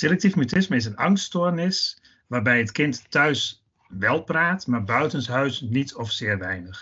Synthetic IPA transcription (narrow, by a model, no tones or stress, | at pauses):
selɛk̚tifmytɪsməɪs̬ənɑŋstoːrnɪs | ʋaːrbɛjətkɪntːœɥs | ʋɛlˠpraːtmaːɹbœɥtənsɦœɥsnitʰɔfsɪːrʋɛjnəx